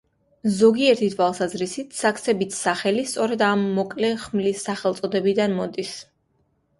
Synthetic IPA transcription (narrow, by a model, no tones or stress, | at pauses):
zɔɡiɛɾt̪ʰit̪ʰwalˠsazɾisit̪ʰsak̚t̪sʰɛbit̪ʰsaχɛlist̪sʼɔɾɛd̪amːɔkʼlɛχmlisːaχɛlˠt̪sʼɔd̪ɛbid̪anmɔd̪is